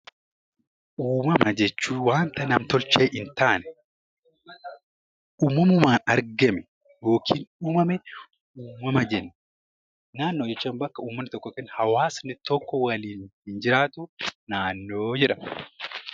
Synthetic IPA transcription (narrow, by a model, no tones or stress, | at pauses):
ʔuːmɐmɐd͡ʒɛt͡ʃːuːwaːnt̪ɐnɐmt̪ɔlt͡ʃeːʔɪnt̪aːnɛ̥ | ʔuːmːɐmɐʊmaːnɐɾɡɐmɛ | jo̞ːkʰiːnuːmɐmɛ | uːmɐmɐd͡ʒɛnːɛ | naːnːod͡ʒɛt͡ʃːaːnbɐkːɐuːmːɐnːɪt̪ɔkːɔkɛnhɐwaːsnɪt̪ɔkːɔwɐliːnhɪnd͡ʒɪɾaːt̪ʊnaːnːo̞ːd͡ʒɛᶑɐm